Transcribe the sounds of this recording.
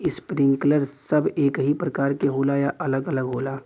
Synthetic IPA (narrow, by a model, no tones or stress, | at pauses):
ɪspɾɪ̃ŋɡkləɾsɐbeːkɦipɾɐkaːɾkeɦoːlajaʔɐləɡələɡɦoːlaː